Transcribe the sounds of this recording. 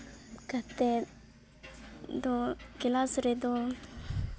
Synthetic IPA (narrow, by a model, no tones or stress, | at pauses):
kat̪e | d̪okilasɾed̪o